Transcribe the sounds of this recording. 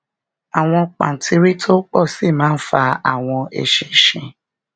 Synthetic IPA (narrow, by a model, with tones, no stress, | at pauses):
a˨w̃ɔ̃˧k͡pa̰˨n̩˨tʰi˧ɾi˦tʰo˦k͡pɔ˦˨si˦˨mãː˨˦n̩˦fa˧a̰˨w̃ɔ̃˧ʔḛ˨ʃĩ˨ʃĩ˨